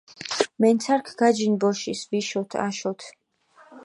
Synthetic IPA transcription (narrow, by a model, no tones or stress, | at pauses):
mɛnt̪sʰaɾkʰɡ̥ad͡ʒinbɔʃisviʃɔt̪ʰa̰ʃɔt̪ʰ